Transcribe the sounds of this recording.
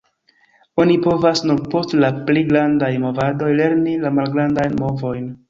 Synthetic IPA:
o̞nipo̞vasnuɾpo̞stlapliɡɾandajmo̞vado̞jle̞ɾnilamalɡɾandajnmo̞vo̞jn

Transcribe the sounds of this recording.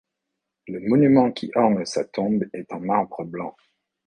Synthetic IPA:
ləmɔnymɑ̃kʰʲiʔɑ̃ɡlsat̪ɔ̃bɛt̪ɑ̃maʁbʁəblɑ̃

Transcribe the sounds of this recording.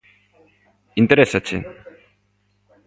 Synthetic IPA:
int̪eɾesat͡ʃḛ

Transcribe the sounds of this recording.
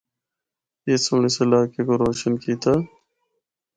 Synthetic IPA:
eːsuɳisəlaːkekoɾoːʃənkiːt̪aː

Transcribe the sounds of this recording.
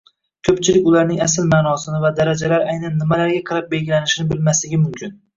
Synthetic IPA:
kʲʰɵpt͡ʃʰɪlɪkʲʊlaɾnɪŋasɪlmaːnɒsɪnɪvad̪aɾad͡ʒalaɾajnanːɪmalaɾɡʲaqʰɨɾap̚be̞lɡʲɪlanɪʃɪnɪbɪlmaslɪɡʲɪmʊmkʲʰɪn

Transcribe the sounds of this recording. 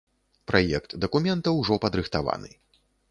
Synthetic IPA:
pɾajɛkt̪d̪ɐkumʲɛnt̪ɐwʐɔpɐd̪ɾɨxt̪ava̰nɨ̰

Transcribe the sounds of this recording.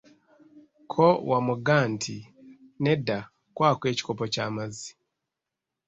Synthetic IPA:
kʰowʔamuɡaːntʰi | neda | kwaːkweːci̥kopocaːmazi

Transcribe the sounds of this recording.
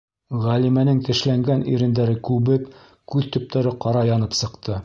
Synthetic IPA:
ʁælimænɘŋt̪ɘ̆ʃlæŋɡænḭɾɘ̆nd̪æɾɘkʉβɘp | kʉðt̪ɵ̆p̚t̪ʰæɾɘqɑɾɑjɑnɤpsɤ̆qt̪ʰɤ

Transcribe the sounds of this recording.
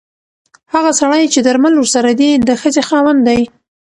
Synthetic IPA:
haɣasaɽəjt͡ʃed̪aɾmalwəɾsaɾad̪id̪əxəzexɑwamd̪aj

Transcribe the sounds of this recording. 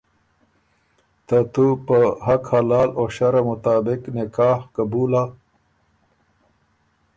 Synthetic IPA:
t̪at̪upəɦɐkhɐlaːloɕaɾamʊt̪aːbɪknɪkaːhkabuːla

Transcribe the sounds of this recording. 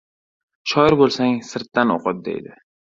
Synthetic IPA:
ʃɒjɪɾbolˠsaŋsɪɾt̪ːano̰qɨp̪̚d̪ḛjd̪ɪ

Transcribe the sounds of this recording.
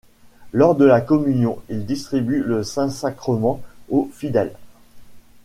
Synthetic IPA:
lɔʁd̪əlakɔmynjɔ̃ild̪ist̪χibyləsɛ̃sakχəmɑ̃ofid̪ɛl

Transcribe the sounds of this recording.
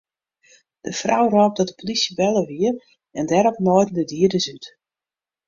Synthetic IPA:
d̥əfrawrɔːp̚dɔt̚də̥polisjəbɛlˠəʋiər | ɛndɛɾɔpnojdndədiədəsyt

